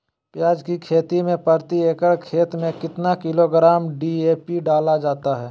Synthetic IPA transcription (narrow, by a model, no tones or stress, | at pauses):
pjaːd͡ʒkikʰeːt̪imẽpəɾt̪ieːkəɽkʰeːt̪mẽkɪt̪nakɪloɡɾaːmɖieːpiɖaːlad͡ʒaːt̪aɦɛː